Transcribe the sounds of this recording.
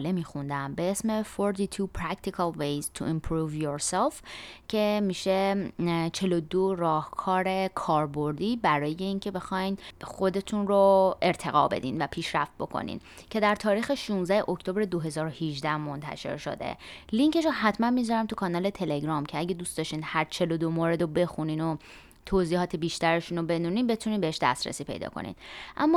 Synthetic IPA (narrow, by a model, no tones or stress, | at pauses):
lemiːxund̪æmbeesmefoɾt̪ʰit̪ʰupʰɾækt̪ʰikʰɑlvejzt̪ʰuʔimpʰɾuːvjoɾselfcʰe̞miːʃe̞ | t͡ʃʰe̞lod̪orɒːhkʰɒːɾe̞kʰɒːɾbo̞ɾd̪iːbæɾɒːje̞iːŋcʰe̞be̞xɒːjnxo̞d̪e̞t̪ʰunɾoʔe̞ɾt̪ʰe̞ɣɒ̰ːbe̞̰d̪ḭnvæpʰiːʃɾæft̪̚bo̞kʰo̰nḭn | cʰe̞d̪æɾt̪ʰɒːɾiːxeʃunzæheʔoct̪ʰo̞bɾed̪o̞ɦe̞zɒːɾohiʒd̪æhmo̞nt̪ʰæ̰ʃe̞̰ɾʃo̞̰d̪ḛliŋce̞ʃoɦæt̪ʰmænmizɒɾæmt̪ʰukʰɒnɒːle̞t̪ʰe̞leɡɾɒːmcʰeæɟed̪uːst̪d̪ɒʃt̪iːnd̪hæɾt͡ʃʰe̞lod̪omoːɾe̞d̪obe̞xuniːno | t̪ʰoziːhɒːt̪ʰebiːʃt̪æɾeʃunobe̞d̪uːniːnbe̞t̪ʰuninbeeʃd̪æ̰st̪ɾæ̰siːpʰe̞̰jd̪ɒ̰ːkʰo̰nḭd̪̚ʔæ̰mːɒ